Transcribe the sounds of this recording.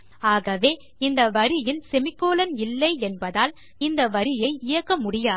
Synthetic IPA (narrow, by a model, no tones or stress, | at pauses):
aːɣɐʋeː | ɪnd̪ɐʋɐɾɪjɪnsɛmɪkːoːlɐnɪlːɐɪɛnbɐðaːl | ɪnd̪ɐʋɐɾɪjɐɪɪjɐkːɐmʊɽɪjaː